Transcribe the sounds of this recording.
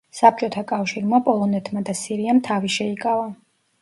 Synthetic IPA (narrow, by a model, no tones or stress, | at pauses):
sap̚ʰt͡ʃʼɔt̪ʰakʼafʃiɾmapʼɔlˠɔnɛt̪ʰmad̪asiɾiamt̪ʰaviʃɛikʼava